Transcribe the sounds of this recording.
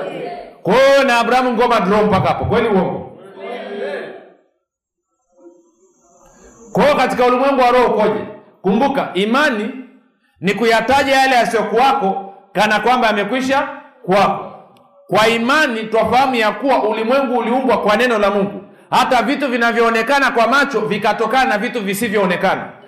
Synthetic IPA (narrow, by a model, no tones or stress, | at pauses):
kɔnaːɓuɾahamuŋɡɔmadɾɔɔm̩pakapɔkwɛliuwɔŋɡɔ | kɔːkatikaulimwɛŋɡuwaɾɔhɔkɔʄɛ̰ | kumbukaʔimani | nikujataʄajalɛasiɔkuwakɔkanakwambaːmɛkwiʃakwakɔ | kwaimanitwafahamujakuwaʔulimwɛŋɡuːliuŋɡwakwanɛnɔlamuŋɡu | hatavituvinavjɔːnɛkanakwamat͡ʃɔvikatɔkananavituvisivjɔːnɛkana̰